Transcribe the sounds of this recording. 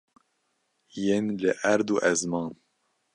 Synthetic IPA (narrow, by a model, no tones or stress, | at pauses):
jenlɨʔæɾd̪uʔɛzmɑːn